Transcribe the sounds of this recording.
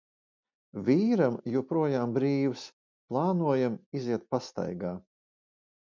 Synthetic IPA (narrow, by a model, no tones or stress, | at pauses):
vʲiːɾamjupɾuɔjaːmbɾiːws | plˠɑːnuɔjamiziɛt̪̚past̪a̰jɡaː